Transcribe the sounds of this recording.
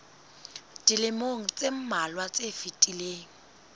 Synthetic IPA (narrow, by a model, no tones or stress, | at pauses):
d̥ilɪmoŋ̩t͡sʼem̩malwat͡sʼefitʼileːŋ̩